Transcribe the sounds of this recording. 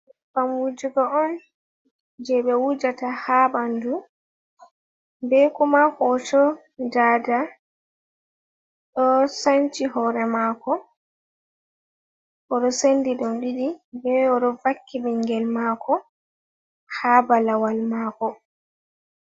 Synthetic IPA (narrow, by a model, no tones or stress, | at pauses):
bamwud͡ʒuɡɔɔn | d͡ʒɛɓɛwud͡ʒatahabandu | bɛkumakɔt͡ʃɔ | d͡ʒada | ɗɔsant͡ʃihɔɾɛmaːkɔ | ʔɔɗɔsendiɗɔmɗiɗibɛɔɗɔvakːiɓɛŋɡɛlmaːkɔ | haːbalawalmaːkɔ